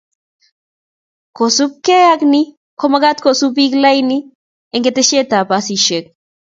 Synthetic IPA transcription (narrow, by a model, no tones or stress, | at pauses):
kosup̚keakni | kʰomaɡat̪kosubiklajni | eŋɡet̪eʃet̪apasiʃek̚